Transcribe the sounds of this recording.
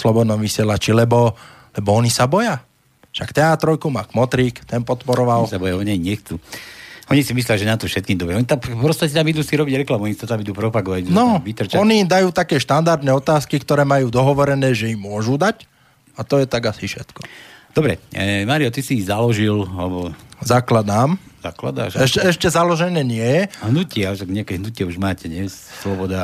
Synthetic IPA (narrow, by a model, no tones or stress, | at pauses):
slɔbɔd̪nɔmʋisɪɛlat͡ʃilɛbɔ | lɛbɔɔɲisabɔja | ʃakt̪ɛat̪ɾɔjkumakmɔt̪ɾikt̪ɛnpɔt̪pɔɾɔʋalsabɔjaɔɲaiɲɛxt͡suːɔɲisimis̬lɛaliʒɛnat̪ɔfʃɛt̪̚kiːmd̪ɔbɾɛɔɲit̪apɾɔst̪acɛt̪amid̪uːsiɾɔbiɟɾɛklamuimsat̪amid̪uːpɾɔpaɡɔʋanɔʋit̪ɾt͡ʃɔnimd̪ajuːt̪akɛːʃt̪and̪aɾd̪nɛɔt̪aːskikt̪ɔɾɛːmajuːd̪ɔɦɔʋɔɾɛnɛːʒɛimmːʊɔʒud̪ac | at̪ɔjɛt̪aɡasifʃɛt̪kɔ̥d̪ɔbɾɛ̰maːɾiɔt̪isizalɔʒilalɛbɔzaklad̪aːmza̰kla̰d̪a̰ːʃɛʃɛɛʃcɛzalɔʒɛnɛːɲɪɛjɛɦnucɪɛɔʃaɡɲɛakɛɦnucɪɛuʒmaːcɛɲɛsslɔbɔd̪a